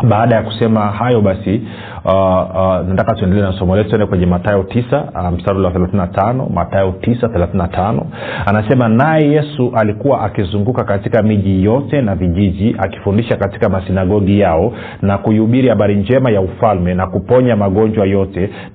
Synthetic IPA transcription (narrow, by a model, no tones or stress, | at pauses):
ɓaːɗajaku̥sɛmaɦajɔɓasi | natakatuɛndɛlɛnasɔmɔlɛtuɛndɛkwɛɲɛmatajɔtisam̩saɾuwaθɛlaθinatanɔ̰ma̰taɔtisaθɛlaθinatʰanɔ̰anasɛmanajɛjɛsuʔalikuwaʔakizuŋɡukakatikamiʄijɔtɛnaviʄiʄiʔa̰ki̥fundiʃakati̥kamasinaɡɔɡijaɔ | nakujiuɓiɾihaɓaɾind͡ʒɛmajaufalmɛnakupɔɲamaɠɔnd͡ʒwajɔtɛ